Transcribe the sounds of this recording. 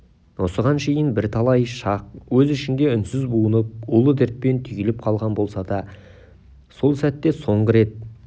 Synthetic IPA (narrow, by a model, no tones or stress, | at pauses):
wo̞səʁɑnʃe̞jɪnbɪɾt̪ʰɑlˠɑjʃɑq̚wɵzɪʃɪnd̪e̞ʏnsɪzbuənəp̚ʊlˠəd̪ɪɾt̪̚pe̞nt̪ʰʏjelɪp̚qʰɑlˠʁɑnbo̞lˠsɑd̪ɑ | so̞lˠsæt̪ːe̞so̞ɴʁəɾe̞t̪̚